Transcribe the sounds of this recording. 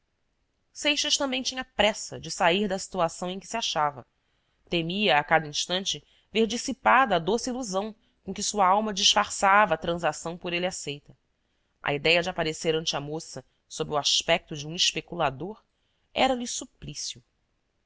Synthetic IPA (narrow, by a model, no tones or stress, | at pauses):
sejʃɐʃt̪ɐ̃mbẽj̃t͡ʃĩɲɐpɾɛsɐd͡ʒɪsaiɾd̪ɐsi̥t̪uasɐ̃w̃ẽj̃kɪ̥siaʃavɐ̰ | t̪emiɐːkad̪ɐĩʃt̪ɐ̃nt͡ʃɪ | veɾd͡ʒisipad̪ɐːd̪osɪiluzɐ̃w̃ | kõkɪsuɐawmɐd͡ʒiʃfaɾsavɐːt̪ɾɐ̃zasɐ̃w̃pʊɾelɪasejt̪ɐ | ɐ̰id̪ɛjɐd͡ʒɪapaɾeseɾɐ̃nt͡ʃɪamosɐ | sobɾɪuaʃpɛk̚t̪ʊd͡ʒɪũiʃpekulad̪oɾ | ɛɾɐlɪsuplisiʊ